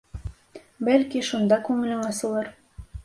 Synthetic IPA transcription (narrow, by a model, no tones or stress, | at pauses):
bælkiʃund̪ɑkʉŋɘ̆lɘŋɑsɤ̆lˠɤɾ